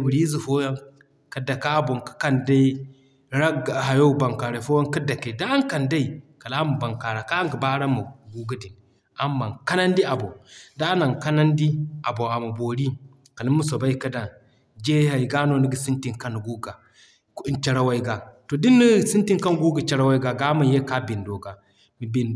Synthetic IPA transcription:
bu˨ɾi˦zi˨fo˦ja˦ŋ | ka˨˦da˨ka˦bo˨ŋkḁ˨ka˦nda˦i˦ | ɾa˦ɡa˨ɦa˨jo˦ba˨ŋka˨ɾa˨fo˦wa˦nka˦da˨ke˨da˦a˦ŋka˨nda˦i˨ka˨la˦mu˨ba˨ŋka˨ɾa˨ka˦ŋɡə˨ba˦ɾa˦mu˨ɡu˦ɡu˦di˨n | a˨mːa˨ŋka˦na˦ndi˦a˨bo˨da˦na˨ŋka˦na˦ndi˦ʔa˨bo˨a˨mu˨bo˨ɾi˦ | ka˨li˦mu˦so˨ba˦i˦ka˦da˨n | d͡ʒe˦ha˨i˨ɡa˦no˦ni˦ɡə˨si˦nti˨ŋka˦n˨ɡu˦ɡa˨˦ | t͡ʃe˨ɾa˦wa˦i˦ɡa˨to˨di˦nːi˦˨si˦nti˦ŋka˦nɡu˦ɡə˨t͡ʃa˦ɾa˦wa˦i˦ɡa˨ɡa˦ma˨je˦ka˦bi˨ndo˨ɡa˨ | mi˨bi˨n

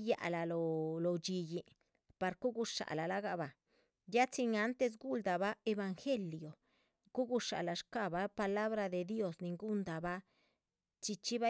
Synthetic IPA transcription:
ja̰˨la˨lo˨lo˨t͡ʃi˧ji˧ | pa˧ɾku˦ɡu˧ʂa̰˨la˨la˧˦ɡa˧ba˨ | ja˦t͡si˧ŋa˧˦nt̪e˧s̬ɡu˦ld̪a˨ba˦e˧ba˧ŋxe˦ljo˨ | ku˦ɡu˧ʂa̰˨la˨ʃka˦ba˦pa˧la˦βɾa˧d̪e˨d̪jo˦sni˨ŋɡu˦nd̪a˨ba˦ | t͡ʃi˧t͡ʃi˦ba˦

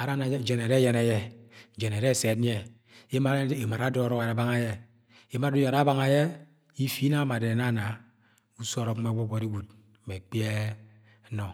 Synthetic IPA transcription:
a˨ɾa˦na˨˦d͡ʒe˨ne˨ɾe˦je˨ne˨je˦d͡ʒe˨n˨e˨ɾe˦˨se˨tn˦e˨ | e˦ma˦e˨ma˨ɾa˨˦do˦ɾo˦˨ɾa˨˦ba˦ŋa˦je˦ | i˦ma˦u˦ja˨ɾa˦ba˦ŋa˨je˦ | i˦fi˦na˦ma˨de˨na˦˨na˨ | u˦so˦ɾo˨k̩˦me˦ɡo˦ɡʷo˨ɾi˦ɡu˨t̩̚˨ | me˨k͡pje˦ | no˨

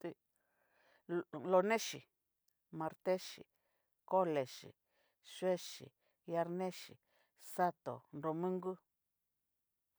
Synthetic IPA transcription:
t̪e˧ | lo˧nẽ˦ʃi˨ | mã˧ɾt̪e˦ʃḭ˨ | ko˦le˨ʃḭ˨ | ʃwe˦ʃḭ˨ | ja˧ɾnẽ˦ʃḭ˨ | sa˦t̪o̰˨nɾo˧mũ˦ŋɡu˦

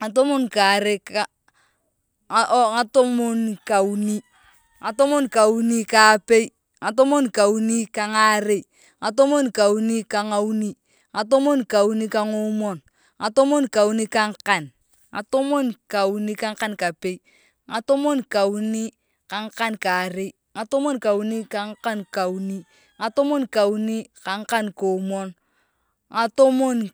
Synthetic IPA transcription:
ŋa˨to˦mo˦nka˨ɾe˦ka˨ | ʔŋa˦to˦mo˦nka˨u˨ni˦ | ŋa˨to˦mo˦nka˨u˦ni˦ka˨pe˦i˦ | ŋa˨to˦mo˦nka˨u˦ni˦ka˨ŋa˦ɾe˦ | ŋa˨to˦mo˦nka˨u˦ni˦ka˨ŋa˦u˦ni˦ | ŋa˨to˦mo˦nka˨u˦ni˦ka˨ŋo˦mɔ˦˨n | ŋa˨to˦mo˦nka˨u˦ni˦ka˦ŋ˦ka˨n | ŋa̰˨to˦mo˦nka˨u˦ni˦ka˦ŋ˦ka˦nka˨pe˦i˦ | ŋa˨to˦mo˦nka˨u˦ni˦ | ka˨ŋ̩˦ka˦nka˨ɾe˦ | ŋa˨to˦mo˦nka˨u˦ni˦ka˨˦ŋ̩˦ka˦nka˨u˨˦ni˦ | ŋa˨to˦mo˦nka˨u˦ni˦ka˨ŋ̩˦ka˦nko˨˦mɔ˦n | ŋa˨to˦mo˦n

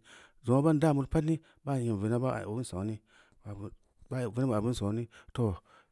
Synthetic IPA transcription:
zo˨a˦ba˦n˦da˦˨mu˨ɾpa˦tni˦ | ba˦˨ji˨n˨ve˨na˦ba̰˦˨u˦sa˨˦ni˦ | a˨˦ | ba˦˨vi˦na˦ba˨bu˦nsa˨˦ni˦to˨

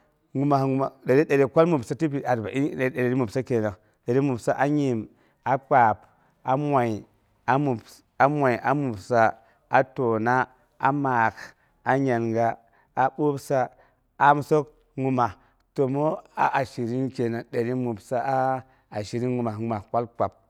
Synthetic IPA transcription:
ŋu˨ma˨˦ŋu˦ma˨ɗa˨ɾi˦ɗa˨ɾi˨kʷa˦lmu˨bsa˦ti˦bi˨ʔa˨ɾba̰˨ʔi˦˨˦ɗa˨ɾɾi˦mu˨sa˦ke˨na˨ | ɗa˨ɾi˦mu˨bsa˦ʔa˦ɲi˨m | a˨k͡pa˨p | a˦mwa˨i˨ | a˦mu˨b | a˦mwa˨i˨ʔa˨mu˨bsa˦ | a˨to˨na˦ | a̰˨ma˨k | a˦ɲa˨nɡa˦ | a˨ɓo˦bsa˦ | a˨m˦so˦k | ŋu˨ma˨ | to˨mo˦a˨ʔa˨ʃi˨ɾi˦nke˨na˨ɗa˨ɾi˦mu˨bsa˦a˦ | a˨ʃi˨ɾi˦nŋu˨ma˨ŋ˦ma˨kʷa˦lk͡pa˨p̚

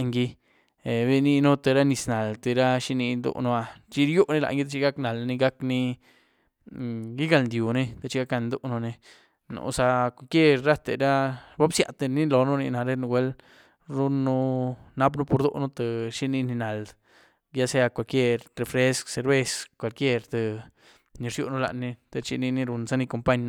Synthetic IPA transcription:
ʔŋɡi˧˨ | bi˦ni˧nu˦t̪e˨ɾa˦ni˧sna˨lt̪e˧˨ɾa˦ʃi˦ni˧nd̪o̰˧ʔno˧a˧t͡ʃi˧˦ɾju˦ʔne˦la̰˧ŋɡi˦t̪a˧t͡ʃi˦ɡa˦kna˨lni˧ɡa˦kni˧ | ɡi˦ɡa˧lnd̪ju˨ne˦t̪a˨t͡ʃi˧ɡa˦ka˧nd̪o˧no˧ne˧ | nṵ˧sa˧kʷa˧˨kje˦ɾɾa˦t̪ḛ˧ɾa˦ba˦bsja̰˨t̪e˧ni˦lo˨nu˦nḭ˧na˨ɾe˦n˧ɡʷwe˧˦l | ɾu˦nːu˦na˦p̬nu˦po˧ɾd̪o̰˦ʔnu˦t̪e˨ʃi˦˧ni˧ni˧na˨l | ja˦se˧a˧kʷa˨lkʲje˦˧ɾɾe˨fɾe˦skse˨ɾbe˦˧skʷa˨lkje˧ɾt̪e˧ | ni˧ɾjṵ˧ʔnu˦la̰˧ʔnːi˧t̪e˧t͡ʃi˧ni˧ni˧ɾu˧nsa˧ni˧ko˧mpa˦ɲ˧

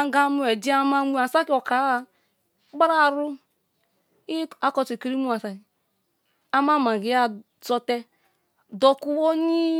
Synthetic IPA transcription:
a˦ɡa˦mu˦e˨d͡ʒi˦a˦ma˦mʷu˦a˨sa˦ki˦ɔ˨ka˨˦˨ | ɡ͡ba˦ɾa˦˨ɾu˦ | i˦a˦kɔ˦t͡ʃi˨ke˨ɾi˦mu˦a˨sa˨ | a˦ma˦˨ma˨ɡi˨˦a˦ | so˦tɛ˦ | do˨ku˦wo˦ni˦

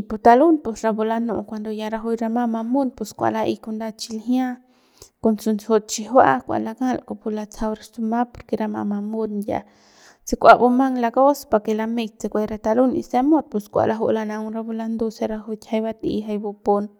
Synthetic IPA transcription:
ipu˧t̪a˧lu˦npu˧sɾa˧bo˧la˧no˧kʷa˧nd̪o˧ja˧ɾa˧ɦu˧jɾa˧ma˧ma˧mu˦npu˧skʷa̰˧la˧ʔi˧ku˧nd̪a˧t͡ʃi˧lɦjã˦ | ko˧nt͡su˧nt͡sho˧t̪̚t͡ʃi˧ɦwa˦kʷa̰˨ʔla˧ɡa˦lko˧pu˧la˧t͡sa˧wɾa˧su˧ma˦po˧ɾke˧ɾa˧ma̰˧ma˧mu˧nja̰˧ | t͡si˧kʷa˧bu˧ma˦ŋla˧ɡo˦spa˧ke˧la˧me˧jt̪̚t͡se˧kʷa˧jɾe˧t̪a˧lu˦nḭ˧se˦mo˦d̪̚pu˧skʷa̰˨ʔla˧ɦo˧ʔla˧na˧wɾa˧bo˧la˧nd̪o˧sa˧ɾa˧ɦu˧t̪ʲha˧jba˧t̪ḭ˧ɦa˧jbo˧po˧n

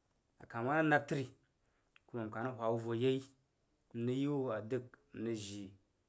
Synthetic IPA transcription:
a˨ka˨ma˦na˦na˦˨ɾ̚ti˦ɾi˨ | ku˦ma˨m˨ka˨na˦hʷa˨wu˦vo˨je˦i˦ | m̩˦nə˦ju˦a˨dɨ˦km̩˨nə˨ʒi˨

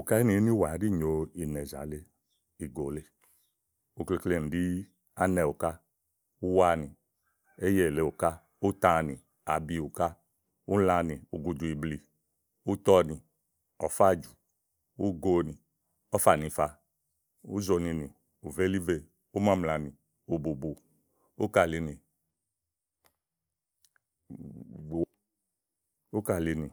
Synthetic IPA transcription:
u˨ka˦i˦ni˨˦ni˦wa˨˦di˦˨ɲo˨i˨nɛ˨za̰˨˦le˦ | i˨ɡo˨le˦ | u˧˨kle˧kle˧˨n̩˨di˦ | a˦nɛ˨u˨ka˦ | u˦wa˧˦ni˨ | e˦je˨le˨u˨ka˦ | u˦ta˧˨ni˨ | a˨bi˧˨u˨ka˦ | u˦la˧ni˨u˨ɡu˨du˨i˨bli˨ | u˦tɔ˦ni˨ | ɔ˨fa˦d͡ʒu˨ | u˦ɡo˦ni˨ | ɔ˦fa˨ni˧fa˨ | ṵ˦zo˨ni˧ni˨ | u˨ve˦li˦ve˨ | u˦ma˦mla˨ni˨ | u˨bu˨bu˨ | u˦ka˨li˧ni˨ | u˦ka˨li˧ni˨

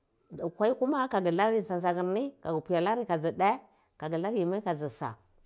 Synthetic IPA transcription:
a˨kʷa˦i˦ku˦ma˦ka˨ɡi˨la˦ɾi˦˨sa˨nsa˨ɡi˨ɾni˦ka˨ɡu˨pu˨ja˨la˦ɾi˦ka˨zi˨da˦ | ka˨ɡə˨la˦ɾji˨ma˦ka˨zi˨sa̰˨

